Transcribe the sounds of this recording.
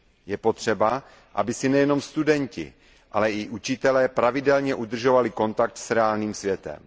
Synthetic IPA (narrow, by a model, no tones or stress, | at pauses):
jɛpo̞t̪r̝̥ɛba | ʔa̰bɪsɪnɛjɛno̞mst̪udɛɲcɪ̰ | ʔalɛʔɪʔut͡ʃɪt̪ɛlɛːpɾavɪdɛlɲɛʔud̪r̩ʒovalɪko̞nt̪ak̚t̪sɾɛaːlniːmsvjɛt̪ɛ̰m